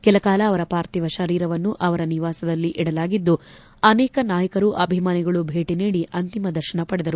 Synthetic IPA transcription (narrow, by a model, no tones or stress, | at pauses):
kɛlɐkaːlɐːʋɐɾɐpaːɾt̪iʋɐʃɐɾiːɾɐʋɐnːuʔɐʋɐɾɐniʋaːsɐd̪ɐlːiʔiɽɐlaːɡid̪ːu | ɐnɛːkɐnaːjɐkɐɾuʔɐbʱimaːniɡɐɭubʱe̞ːʈiniːɽiʔɐnt̪imɐd̪ɐɾʃɐɳɐpɐɽɛd̪ɐɾu